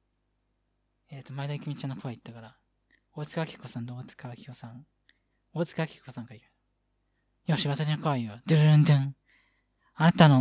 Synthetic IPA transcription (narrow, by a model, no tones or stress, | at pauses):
eːt̪ːomaid̪aikʲimʲit͡ɕãnːokoβait̪ːakaɾa | oːt͡sɨ̥kakʲi̥kːosãnd̪oːt͡sɨ̥kaβakʲi̥kosãŋ | oːt͡sɨ̥kaβkʲi̥kːosãŋkaikḁ | joːɕiβat̪aɕinokoaiod̪ɯɾnd̪ɯ̃ŋ | aɾat̪ano